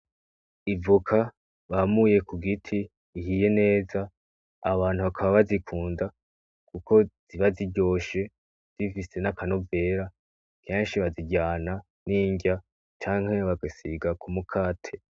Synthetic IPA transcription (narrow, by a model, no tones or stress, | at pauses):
ivukʰa | βamuje̞kuɡitʰiː | ɦije̞ne̞ːzaː | βaːn̥uβakʰaβaβazikʰuːnda | kuko̞z̥iβaziɟo̞ːʃe̞ | z̥ifise̞nakʰano̞ve̞ɾa | kʰeːnʃiβaziɟaːna | niːɲɟa | t͡ʃaːŋ̥he̞βaɡasiɡakʰumukʰaːtʰe̞